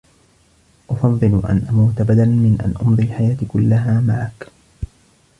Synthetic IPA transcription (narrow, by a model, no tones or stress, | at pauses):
ʔʊfɑðˤːɨlʔa̰nʔamawt̪abad̪almɪnʔa̰nʔʊnðˤilħajaːt̪ikʊlːaɦaːmaʕak